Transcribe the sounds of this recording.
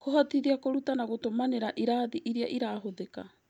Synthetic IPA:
koɦatidiakoɾutanaɡotomaneɾaʔiɾaːdiʔiɾia̰ʔiɾaːɦoðeka

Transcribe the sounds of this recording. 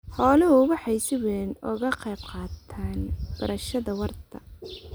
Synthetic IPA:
hɔːlɔɦʊwɑħɑjsɪwɛːnɔ̰ɣɐqɛjb̚qɑːt̪ʰaːnb̥ɐɾɐʃɐðɐwɑrt̪ʰɐ̰

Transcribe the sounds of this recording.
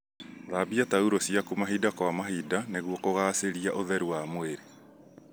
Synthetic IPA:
ðaːbiatauɾosiakumaɦidakwamaɦidaneɣwɔkoɣaːseɾiaʔoðɛɾuwamweɾe

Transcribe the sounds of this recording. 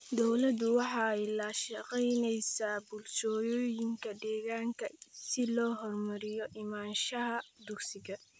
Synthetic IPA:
d̪ɔwlɐd̪ʊwɑħɑːɪlaːʃɐqɛjnɛjsaːbʊlʃɔːjɔːjɪŋkʰɐd̪ɛːɣaːŋkʰɐsɪlɔːɦɔrmɐɾɪjɔʔɪmaːnʃɐɦɐd̪ʊɡsɪɣɐ

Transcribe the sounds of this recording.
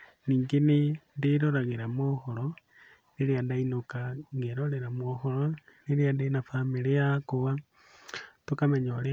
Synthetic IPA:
niːŋɡenendeɾoɾaɣeɾamwɔhɔɾɔ | neɾeandainokaŋɡeɾoɾeɾamwɔhɔɾɔneɾeandainafamiɾeakoβa | tokamɛɲɔɾe

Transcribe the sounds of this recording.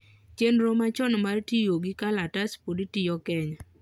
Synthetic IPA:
t͡ʃenɾɔmat͡ʃɔnmartijoɡɪkalataspoditɪjɔkɛɲɔ

